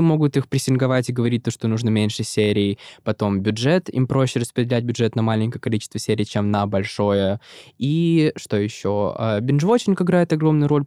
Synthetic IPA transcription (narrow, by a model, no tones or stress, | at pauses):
mo̞ɡʊt̪ixpɾʲɪsʲɪnɡɐvatʲɪɡəvɐɾʲit̚ʲt̪oʂt̪onuʐnəmʲenʲʂɨsʲeɾʲɪːpɐt̪o̞mbʲʊdʐɛt̪ḭmpɾo̞ɕːɪrəspɾʲɪdʲɪlʲæt̚ʲbʲʊdʐɛt̪nɐmalʲɪnʲkəjəkɐlʲit͡ɕɪst̪vəsʲeɾʲɪjt͡ɕemnəbɐlʲʂo̞jəiʂt̪o̞jɪɕːo̞ɐ̰bʲɪnʐvot͡ɕɪnʲkəɪɡɾajɪt̪ɐɡɾo̞mnʊjʊɾo̞lʲ